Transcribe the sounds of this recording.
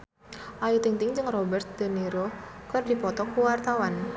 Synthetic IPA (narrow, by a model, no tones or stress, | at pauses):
ʔajut̪iŋt̪ɪŋd͡ʒɨŋrɔbɛrt̪̚d̪̥əniɾokərdipɔt̪ɔkuwart̪awan